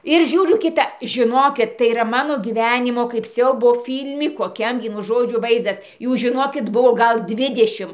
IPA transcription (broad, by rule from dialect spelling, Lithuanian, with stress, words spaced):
ɪr ˈʒʲuːrʲʊ kʲɪˈtɐ ʒʲɪˈnoːkʲɪt tɐɪ iːˈrɐ ˈmɑːnoː ɡʲiːˈʋʲæːnʲɪmoː kɐɪp ˈsʲɛʊboː ˈfʲiːlʲmʲɪ koːˈkʲɛm ˈʋʲiɛnʊ ˈʒoːd͡ʒʲʊ ˈʋɐɪzdɐs ˈjuː ʒʲɪˈnoːkʲɪt ˈbʊʋoː ˈɡɐlˠ ˈdʲʋʲɪdʲɛʃʲɪm